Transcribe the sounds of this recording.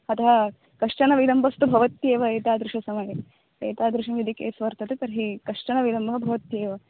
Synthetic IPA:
ɐt̪ɐɦɐ | kɐʂʈɐnɐʋilɐmbʱɐst̪ubʱɐʋɐt̪jeːʋɐeːt̪aːd̪ɾɪʃɐsɐmɐjɐ | eːt̪aːd̪ɾɪʃɐmjid̪ʱikḛːsʋɐɾt̪ɐt̪et̪ɐɾɦikɐʂʈɐnɐʋilɐmbʱɐɦɐbʱɐʋɐt̪jeːʋɐ

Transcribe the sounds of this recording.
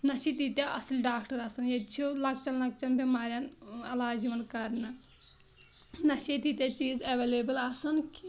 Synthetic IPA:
nɐʃit̪it̪ʲjaʔɐsilʲɖaːkʈɐɾɐsɐnjet͡ʃʰolɐk̚t͡ʃɐnlɐk̚t͡ʃɐnbʱʲɐmaːɾʲjaːnɐlaːd͡ʒiʋɐnkɐɾnɐ | nɐʃit̪it̪ʲjat͡ʃiːzɐʋeːleːbɐlɐsɐnkʰi

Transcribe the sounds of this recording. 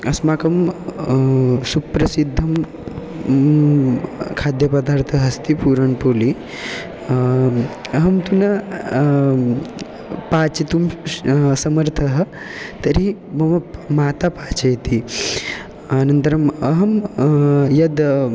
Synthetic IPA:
ɐsmaːkɐm | supɾɐsid̪ʱːɐm | kʰaːd̪jɐpɐd̪aːɾt̪ʰɐɦɐst̪ipuːɾɐɳpoːli | ɐɦɐmt̪unɐ | paːt͡ʃit̪umsɐmɐɾt̪ʰɐɦɐ | t̪ɐɾimɐmɐmaːt̪apaːt͡ʃɐjt̪i | ɐnɐnt̪ɐɾɐmɐɦɐm | jɐd̪

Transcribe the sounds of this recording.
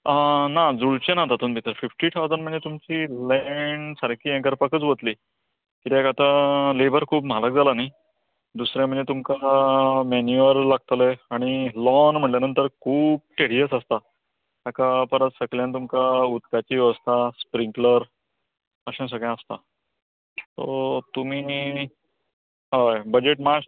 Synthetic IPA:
ənad͡zuɭt͡ɕẽnat̪at̪uːnbʱit̪əɾfifʈiʈ̪ʰawd͡zənm̤əɳd͡zet̪umt͡ɕilɛɳɖsəɾkiːɛ̃kəɾpakət͡sʋət̪liː | kit̪iɛkat̪alebəɾkʰuːpm̤alək̚d͡zʱalanai | d̪usɾjãm̤əɳd͡zet̪umkamenjuəɾlaɡ̚t̪əleaɽ̃ilɔnm̤əɳʈljanənt̪əɾkʰuːp̚ʈeɽ̤iəsast̪a | akapəɾət̪səkljãnt̪umkaut̪kat͡ɕiʋəst̪aspɾiŋkləɾ | əɕɛ̃s̬əɡɭjãast̪a | t̪o̰t̪um̤iː | ɦəjbəd͡ʑeʈmaɕ

